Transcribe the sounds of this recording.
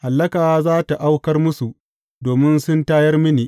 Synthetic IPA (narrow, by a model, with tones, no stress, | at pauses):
ha˨lːɐ˦kaː˨wzaː˦ta˨ʔa˦wkɐ˦rmʊ˦su˨ʔ | doː˨mɪ˦nsʊ˦ntaː˦jɐ˦rmɪ˦niː˨ʔ